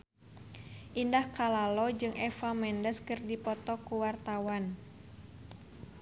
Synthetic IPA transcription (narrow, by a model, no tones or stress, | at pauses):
ʔindahkalalɔd͡ʒɨŋʔɛfamɛndəskɨrdipɔt̪ɔkuwart̪awan